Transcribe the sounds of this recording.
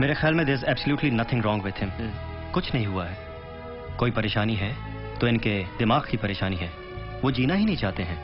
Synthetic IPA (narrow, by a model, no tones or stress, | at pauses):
meːɾexaːlmẽd̪eːzɛːbsəljuːʈlinɐt̪ʰɪ̃ŋɾɔ̃ːŋɡwɪd̪̥ɦɪ̃m | kʊt͡ʃʰnɐɦĩɦʊaɦɛː | koːipɐɾeːʃaːniɦɛ | t̪oɪ̃nked̪ɪmaːɣkipɐɾeːʃaːniɦɛː | ʋod͡ʒiːnaɦinɐɦĩt͡ʃaːt̪eɦɛ̃ː